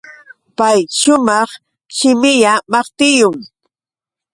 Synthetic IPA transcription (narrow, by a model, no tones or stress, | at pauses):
pajʃʊmɑχ | ʃɪmɪʎamɑχt̪ɪjʊŋ